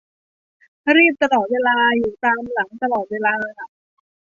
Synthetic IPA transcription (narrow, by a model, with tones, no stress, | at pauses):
ɾiː˥˩p̚t̪a˧lɔː˨˩t̪̚weː˧laː˧juː˨˩t̪aː˧mla˩˦ŋt̪a˧lɔː˨˩t̪̚weː˧laː˧kʰa˥˩ʔ